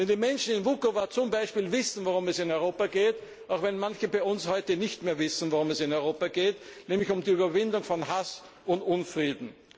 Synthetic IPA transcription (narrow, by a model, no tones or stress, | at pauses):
vɛndimɛnʃn̩ɪnvukovat͡sʊmbaɪʃpiːlvɪsn̩voʁʊmɛsɪnɔʏʁoːpaɡeːt | aʊxvɛnmançəbæɪʊnshɔʏtənɪçtmeːɐvɪsn̩voʁʊmɛsɪnɔʏʁoːpaɡ̥eːtnɛːmlɪçʊmdiyːbɐvɪndʊŋfɔnɦas | ʊndʊnfʁiːdn̩